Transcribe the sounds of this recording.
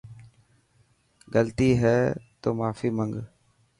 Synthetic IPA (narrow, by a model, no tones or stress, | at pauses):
ɡəlt̪iːɦɛːt̪oːmaːfiːməŋɡ